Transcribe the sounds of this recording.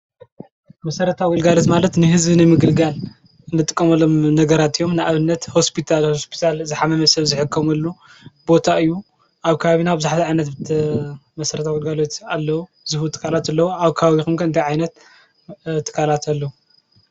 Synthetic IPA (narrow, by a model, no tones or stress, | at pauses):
mɐsɐɾɐt̪ʰawilɡalot̪malɐt̪nɨɦɨzβinɨmɨɡɨlɡal | ɨnːɨt̪ʼɨkʼːɐmɐlomnɐɡɐɾat̪ɨjo̞mnɨaβɨnːɐt̪ho̞spʰit̪ʰalhospʰi̥t̪ʰalzɨħamɐmɐsɐβzɨħɨkʰːɐmɐlːu | bo̞t̪ʰaɨjːu | ʔaβkʰɐβaβinawbɨzaħt̪ʰiʕajnɐt̪bɨ | mɐsɐɾɐt̪ʰawɨlɡalo̞t̪alːɐwu | zɨhut̪ʰːɨ̥kʰːalat̪alːɐwuaβkʰaβaβixumkʰɐɨnt̪ʰajʕajnɐt̪ | t̪ʰːɨ̥kʰːalat̪ʰalːɐu